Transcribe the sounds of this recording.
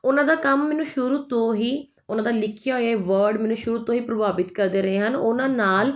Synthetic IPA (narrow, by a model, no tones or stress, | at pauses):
ʊnãːd̪aːkəmːɛːnũːʃʊɾuːt̪õːɦiː | ʊnãːd̪aːlɪkʰjaːɦojeʋəɾɖmɛːnũːʃʊɾuːt̪õːɦiːpɾəbaːbɪt̪kəɾd̪eːɾəɦeːɦənʊnãːnaːl